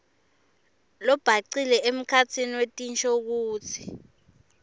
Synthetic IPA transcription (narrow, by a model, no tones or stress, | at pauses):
lɔb̥ʱaǀilɛem̩kʰat͡sʰiniwetʼint͡ʃʰʼok̬uːtʰi̥